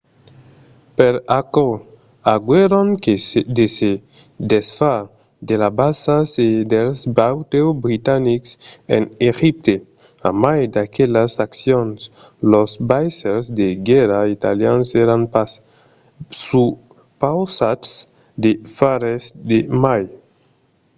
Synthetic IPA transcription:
peɾako | aɡweɾonked̪ese | d̪esfa | d̪elabasased̪elsbawt̪ewbɾit̪aniksḛnexip̚t̪e | a̰majd̪akeʎasaksjons | losbajseɾsd̪eɡeɾait̪aljanseɾanpa | su | pawsats | d̪efaɾesd̪emaj

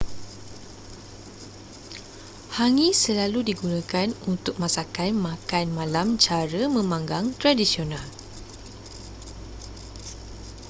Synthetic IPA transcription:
haŋĩsəlaludiɡunãkanunt̪ʊk̚mãsakanmãkanmãlamt͡ʃaɾəmə̃mãŋɡaŋt̪ɾadisional

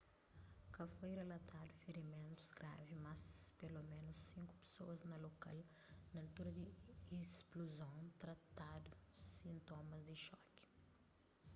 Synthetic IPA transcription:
kɐfojrelɐt̪ad̪ʊfeɾimẽnt̪ʊ̥zɡɾa̰vimɐspelomẽnʊsːĩŋkʊ̥pe̥soɐznɐloka̰l | nɐɐlt̪uɾɐd̪ɪispluzõt̪ɾɐt̪ad̪ʊsĩnt̪omɐzd̪ɪʃɔki̥

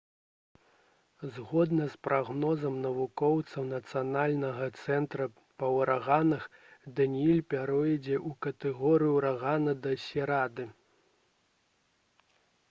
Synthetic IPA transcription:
zɣɔd̪nɐspɾʔaɣnɔzɐmnɐvukɔwt̪sɐwnɐt̪sɨjanalʲnɐɣɐt̪sɛnt̪ɾɐ | pɐwɾaɣanɐxd̪ɐnʲiilʲpʲaɾɔjid͡zʲɛʔukɐt̪ɛɣɔɾɨjuɾaɣanɐd̪ɐsʲɛɾad̪ɨ

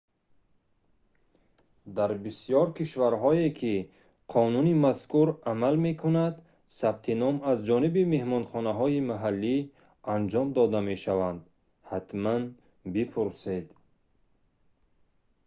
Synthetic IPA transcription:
d̪aɾbisijɔɾkʰiʃvaɾɦɔekʰi | qʰɔnunimaskuɾamalme̞kʰunad̪ | sab̚t̪ʰinɔmazd͡ʒɔnibime̞hmɔnχɔnaɦɔimaɦalːi | and͡ʒɔmd̪ɔd̪ame̞ʃavand̪ | hat̪man | bipʰuɾsed̪

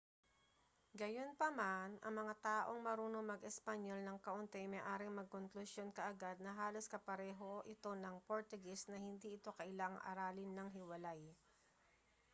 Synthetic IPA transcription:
ɡɐjo̞npɐmanʔɐ̰ŋmɐŋat̪aːʔo̞ŋmɐɾuːnomɐɡʔɛspɐɲo̞lnɐŋkɐʔʊnt̪ɛʔjmɐjʔaːɾɪŋmɐɡ̚koŋklʊsjo̞nkɐʔɐɡad̪̚nɐɦaːloskɐpɐɾɛːɦo̞ʔɪt̪o̞nɐŋpoɹt̪ʊɡɛsnɐhɪnd̪iʔɪt̪o̞kɐʔɪlaŋʔɐ̰ɾaːlɪnːɐŋɦɪwɐlaj

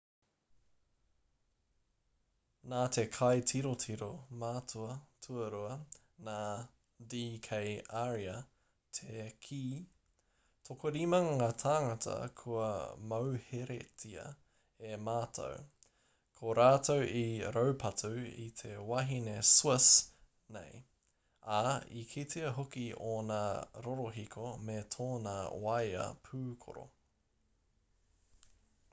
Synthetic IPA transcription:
naːt̪ʰekʰɐjtʰiɾotʰiɾomaːtʰuɐtʰuɐɾuɐ | naː | diːkʰejaɾiɐ | t̪ʰekʰiː | tʰokoɾimɐŋat̪ʰaːŋɐtʰɐ̰kʰuɐ̰mɐwheɾḛtʰiɐ̰ | emaːtʰo̰w | kʰoɾaːtʰowiɾowpʰɐtʰuḭt̪ʰe̞wɐɦineswɪs | nḛj | aikʰitʰiɐɦokionaɾoɾoɦikʰometʰoːnɐwɐjɐ̰pʰʉːkʰo̰ɾo̰

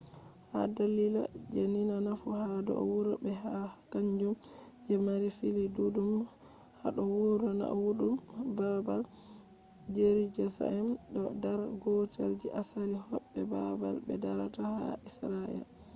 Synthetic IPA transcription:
hadalila̰d͡ʒaninanafuhadɔ̰ʔwuɾabɛɦakaɲd͡ʒum | d͡ʒɛmaɾifilidudum | ha̰ɗɔwuɾɔna̰wuɗumbabal | d͡ʒeɾid͡ʒɛsa̰ɛmɗɔdaɾɡɔta̰ld͡ʒiʔasaɾihɔbːɛbaba̰lbɛdaɾataha̰isɾaɛ̰l

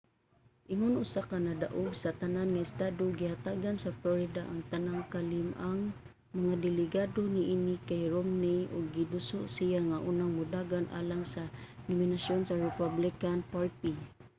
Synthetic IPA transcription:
ʔɪŋʊnʊsakanadaʔʊɡsat̪ananŋaɪst̪adoɡihat̪aɡansafloɾɪdaʔaŋt̪anaŋkalɪmaŋ | maŋad̪ɪlɪɡadoniʔinikajɹomniʔʊɡːidʊsʊʔsijaŋaʔunaŋmʊdaɡanʔa̰laŋsanominasjonsaɹɪpablɪkanpaɹt̪i

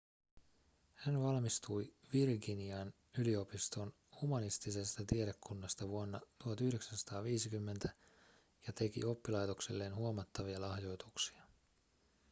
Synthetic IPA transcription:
hænʋɑlmist̪ujʋirɡiniɑn | ylio̞pist̪o̞n | humɑnist̪ise̞st̪ɑt̪ieɾe̞kʰːunːɑst̪ɑʋuonːɑt̪uhɑt̪yhde̞ksænsɑ̥t̪ɑːʋiːsikymːent̪æ | jɑt̪e̞kḭo̞pːilɑjt̪o̞kse̞̰lːe̞ːnhuomɑt̪ːɑʋiɑlɑhjo̞jt̪uksi̥ɑ

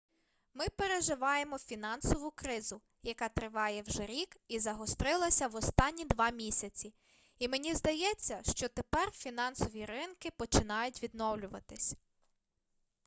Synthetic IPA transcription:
mɪpe̞ɾeʒɪʋɑjemɔfʲinɑnsɔʋʊkɾɪzʊ | jɐkɑt̪ɾɪʋɑjɛwʒɛɾʲikizɐɦɔst̪ɾɪlˠɐsʲɐʋɔst̪ɑnʲːid̪ʋɑmʲisʲɐt͡sʲi | imenʲizd̪ɐjɛt͡sʲːɐʃt͡ʃɔt̪epɛrfʲinɑnsɔʋʲiɾɪnkɪpɔt͡ʃɪnɑjʊtʲʋʲid̪nɔwlʲʊʋɐt̪ɪsʲ

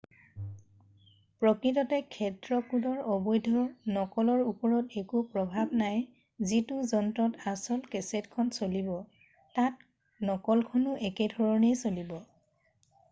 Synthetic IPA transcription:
pɹɔkɹitɔtɛkʰɛtɹɔkudɔɹɔbɔjdʱɔnɔkɔlɔɹupɔɹɔtekupɹɔbʱabnaj | zituzɔntɹɔtasɔlkɛsetkʰɔnsolibɔ | tat̚ | nɔkɔlkʰɔnʊʔɛkɛdʱɔɹɔnejsolibɔ

